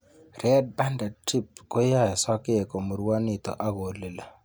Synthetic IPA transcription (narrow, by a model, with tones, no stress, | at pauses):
rɛ˦d̚ba˦nda˨ti˦p̚ko˦ja˦ja˨sɔ˦ke˦e˨ko˨mo˨ɾwa˦nɪ˨t̪ɔ̰˨ʔa˦ɡo˨le˨la˨